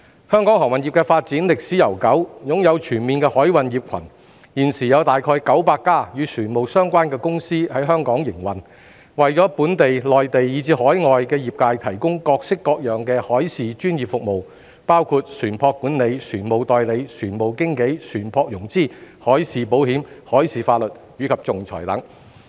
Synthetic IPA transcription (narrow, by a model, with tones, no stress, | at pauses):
hœː˥ŋkɔː˨˥ŋhɔː˨˩wɐ˨nji˨˩kɛː˧faː˧t̚t͡siː˨˥nlɪ˨k̚siː˨˥jɐ˨˩wkɐ˨˥wjʊ˨ŋjɐ˨˧wt͡ʃʰyː˨˩nmiː˨nkɛː˧hɔː˨˥jwɐ˨njiː˨p̚kʰɐ̰˨˩n | jiː˨˩nsiː˨˩jɐ˨˧wt̪aː˨jkʰɔː˧jkɐ˨˥wpaː˧kːaː˥jyː˨˧syː˨˩nmo˨wsœː˥ŋkʷaː˥nkɛː˧kʊ˥ŋsiː˥hɐ˨˥jɦœː˥ŋkɔː˨˥ŋjɪ˨˩ŋwɐ˨˩n | wɐ˨jt͡ʃɔː˨˥puː˨˥nt̪e˨jlɔː˨jt̪e˨jjiː˨˧t͡siː˨˧hɔː˨˥jŋɔː˨jkɛː˧jiː˨p̚kaː˧jt̪ʰɐ˨˩jkʊ˥ŋkɔː˧k̚sɪ˥kːɔː˧k̚jœː˨˩ŋkɛː˧hɔː˨˥jsiː˨t͡ʃyː˥njiː˨p̚fʊ˨k̚mo˨w | paː˥wkʰuː˧t̚syː˨˩npʰɔː˧kːuː˨˥nle˨˧jsʰyː˨˩nmo˨˩wt̪ɔː˨jle˨˧jt͡ʃʰyː˨˩nmo˨˩wkɪ˥ŋke˨˥jsʰyː˨˩npʰɔː˧k̚jʊ˨˩ŋt͡siː˥˩hɔː˨˥jsiː˨po˨˥whiː˨˥mhɔː˨˥jsiː˨˩faː˧t̚lɵ˨t̚jyː˨˧kʰɐ˨p̚t͡sʊ˨ŋt͡sʰɔ̰ː˨˩jt̪ɐ̰˨˥ŋ